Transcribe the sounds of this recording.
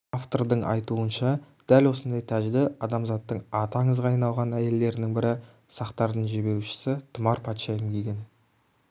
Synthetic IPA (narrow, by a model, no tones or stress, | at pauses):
ɑft̪o̞rd̪əɴʔɑ̰jt̪uənʃɑ | d̪̥ælwo̞sənd̪ɑjt̪ʰæʒɪd̪ɪɑd̪ɑmzɑt̪ːəɴɑt̪ɑɴəzʁɑɑjnɑlˠʁɑnæje̞lːe̞ɾɪnɪŋbɪɾɪ | sɑqt̪ɑɾd̪əɴʒe̞be̞ɾuʃɪ̥sɪt̪ʰʊmɑɾpʰɑt̪ʃɑjɪmkʲʰe̞ɡʲe̞n